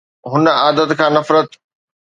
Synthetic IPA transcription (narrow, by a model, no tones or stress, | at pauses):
ɦʊnaːd̪ət̪kʰãːnɐfɾət̪